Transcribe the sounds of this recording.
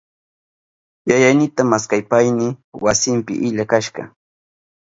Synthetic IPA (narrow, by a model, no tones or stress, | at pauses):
jajajnɪt̪amaskajpajnɪwasɪmpɪ̰ʔɪʎakaʃɢɑ̰